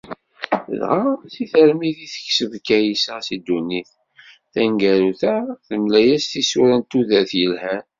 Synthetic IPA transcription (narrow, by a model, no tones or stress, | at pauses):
ðʁaθiθəɾmiðiθə̥çsəvkːæjisəsid̪unːiθ | θæŋɡæɾuθæθəmlæjæsθisuɾænt̪uðæθjəlhæn